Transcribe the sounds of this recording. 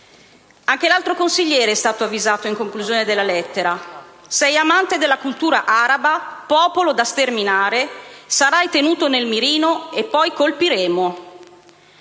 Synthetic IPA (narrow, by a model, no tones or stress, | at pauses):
aŋk̟elalt̪ɾokonsiʎːɛːɾeɛst̪aːt̪oavːizaːt̪oiŋkoŋkluzjoːned̪elːalɛt̪ːeɾasɛjamant̪ed̪elːakult̪uːɾaʔaɾabapɔːpolod̪ast̪erminaːɾesaɾajt̪enuːt̪onelmiɾiːnoepːɔjkolpiɾeːmo